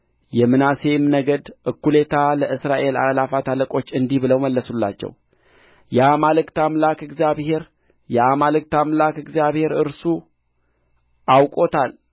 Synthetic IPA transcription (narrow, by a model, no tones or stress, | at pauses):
jɛmɨnase̞mnəɡəd̪ʔɨkːule̞t̪ʰaləʔɨsɾaʔe̞la̰lafat̪ʰaləkʼo̞t͡ʃːɨnd̪ihbɨləwməlːəsulːa̰t͡ʃːɛ̰w | jamalɨkt̪amlakɨɡzjaβhe̞ɾ | jamalɨk̚t̪amlakɨɡzjaβhe̞ɾɨɾsu | ʔawkʼo̞t̪ʰal